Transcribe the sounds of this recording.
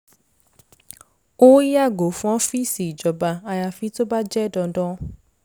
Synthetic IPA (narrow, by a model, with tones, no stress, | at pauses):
o˦i˦a˦˨ɡo˨fɔ̃˦fi˦si˨d͡ʒɔ˨ba˨a˧ja˨fi˦to˦ba˦d͡ʒɛ˦dɔ̃˧dɔ̃˦